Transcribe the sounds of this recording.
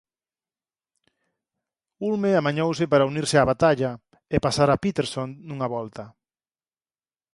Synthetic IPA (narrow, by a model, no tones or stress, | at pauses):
ulmeamaɲowsɪpaɾauniɾsɪaβat̪aʎɐ | ɪpasaɾapit̪eɾsonnuŋaβɔlt̪ɐ